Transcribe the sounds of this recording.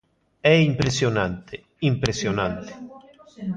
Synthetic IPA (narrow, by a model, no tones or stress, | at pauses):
ɛimpɾesjonant̪ʰe | impɾesjonant̪e̥